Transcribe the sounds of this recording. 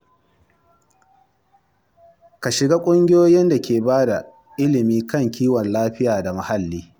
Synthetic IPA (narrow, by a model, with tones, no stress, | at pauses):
ka˨ʃɪ˨ɡaː˦kʷʼʊ˦ŋɡʲɪ˦joː˦jɪ˦nda˨kʲʰeː˨baː˦da˨ | ʔɪ˦lɪ˨miː˦kɐ˦˨ŋkʲʰiː˦wɔ˨nlaː˦ɸɪ˦jaː˨da˨ma˨ha˦lːiː˦